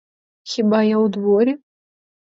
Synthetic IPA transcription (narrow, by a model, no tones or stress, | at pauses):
xʲibajawd̪vɔɾʲɛ